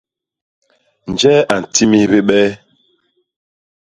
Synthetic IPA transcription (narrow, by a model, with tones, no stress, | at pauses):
n̩˨d͡ʒɛ˦ʔa˨n̩˨tʰi˦mi˦βe˦ɓɛ˦